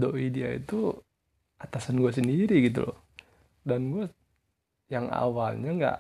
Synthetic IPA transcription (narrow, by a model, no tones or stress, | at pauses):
doʔidiaḭt̪u | ʔat̪asanɡuas̬əndiɾiɡit̪̬ṵlʔɔ̰ | danɡua | jaŋa̰walɲaŋɡa̰ʔ